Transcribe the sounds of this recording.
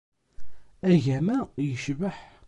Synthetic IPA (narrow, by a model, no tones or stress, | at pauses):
æʝæmæjəʃvəħ